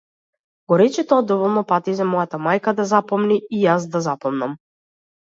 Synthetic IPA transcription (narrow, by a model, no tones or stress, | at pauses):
ɡ̥ɔɾɛt͡ʃɛt̪ɔad̪ɔvɔlˠnɔpat̪izamɔjat̪amajkad̪azapɔmniːjazd̪azapɔmnam